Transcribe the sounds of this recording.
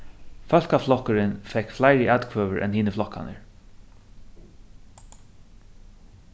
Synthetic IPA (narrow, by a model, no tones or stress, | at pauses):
fœl̥kaflɔhkʏɾɪnfɛkflajɹəʔɛt̪kʰvœːʋəɹʔɛ̰nhiːnəflɔhka̰nə̰ɹ